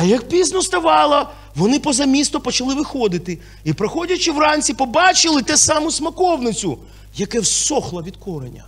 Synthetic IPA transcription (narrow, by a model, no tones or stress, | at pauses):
ɐjɐk̚pʲiznɔst̪ɐʋɑlˠɐ | ʋɔnɪpɔzɐmʲist̪ɔpɔt͡ʃɐlˠɪʋɪxɔd̪ɪt̪ɪ | ipɾɐxɔdʲɐt͡ʃɪwrɑnʲt͡sʲsʲipɔbɑt͡ʃɪlˠɪt̪ɛsɑmʊsmɐkɔwnɪt͡sʲʊ | jɐkɛwsɔxlˠɐʋʲid̪kɔɾenʲɐ̰